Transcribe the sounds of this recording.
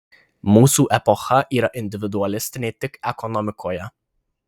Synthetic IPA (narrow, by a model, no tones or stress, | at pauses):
muːsuʔɛpɔxaʔiːɾaʔɪnd̪ɪvɪd̪ualɪst̪net̪ɪkɛkɔnɔmɪkʰɔja